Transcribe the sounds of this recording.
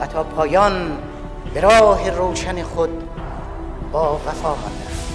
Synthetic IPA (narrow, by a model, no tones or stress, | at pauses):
æt̪ʰɒːpʰɒːjɒn | beɾɒːɦeɾoːʃæneχod̪̚ | bɒːvæfɒːmɒ̰nd̪æʃ